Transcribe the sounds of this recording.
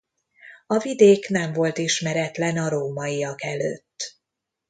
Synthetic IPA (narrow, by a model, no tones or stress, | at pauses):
ɒvid̪eːknɛɱvo̞lt̪iʃmɛɾɛt̪lɛnɒɾoːmɒijɒkɛløːt̪ː